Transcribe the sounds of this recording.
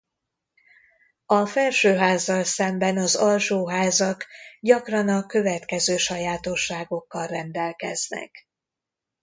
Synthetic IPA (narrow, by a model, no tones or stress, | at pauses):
ɒfɛlʃøːɦaːzːɒlsɛmbɛnɒzɒlʃoːɦaːzɒkɟɒkrɒnɒkø̞vɛt̪kɛzøːʃɒjaːt̪o̞ʃːaːɡo̞kːɒlrɛnd̪ɛlkɛznɛ̰k